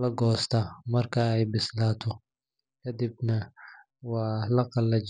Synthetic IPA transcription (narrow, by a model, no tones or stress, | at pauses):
lɐɡɔːst̪ʰamɐrkʰɐɛjbɪslaːt̪ʰɔ | kʰɐd̪ibnɐ | wɑːlɐqɑlːɐt͡ʃ